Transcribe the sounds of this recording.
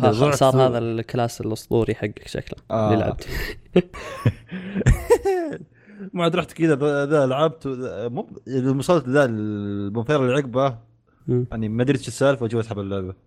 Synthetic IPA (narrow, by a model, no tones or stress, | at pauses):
aˤʊʕsɑːɾˤhaːðalkalaːsɪlʔʊsˤt̪ˤṵːɾijħaɡːakʃa̰klaʔalilʕa̰b̚t̪i̥ | maʕad̪ɾˤɑħt̪kɪd̪aðaðaʔlʕab̚t̪manmʊsˤɑlːt̪ðamʊnfɑːɾˤalːʕɪɡbaː | jaʕnimad̪ɾit̪ʃɪsːaːlfwad͡ʒuwasħabalːaʕba